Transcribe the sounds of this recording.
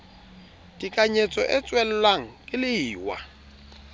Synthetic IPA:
dʼikʼaɲet͡sʼɔ̰ʔɛt͡sʼwɛlʊlwaŋ̩kʼɪlɪiːwa̰

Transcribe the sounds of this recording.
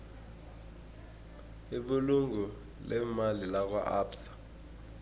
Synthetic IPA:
iɓuluŋɡu | lɛmalilak̬wa̰ʔaːpsḁ

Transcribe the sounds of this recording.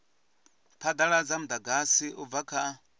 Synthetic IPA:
pʰad̪aɺad͡zam̩d̪aɡasiʔuvakʰa

